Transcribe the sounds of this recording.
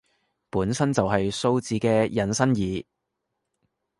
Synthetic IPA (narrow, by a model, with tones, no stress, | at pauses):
puː˨˥nsɐ˥nt͡sɐ˨wɦɐ˨jso˧wt͡siː˨˥kɛː˧jɐ˨nsɐ˥njiː˨˥